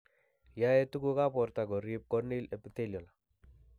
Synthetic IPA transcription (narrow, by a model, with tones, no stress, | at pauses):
ja˦e˦tu˦ku˦ka˦pɔ˨rt̪a˨ɡɔ˨ɾi˦p̚kɔ˦ni˦le˨pit̪e˦ljɔ˨la˨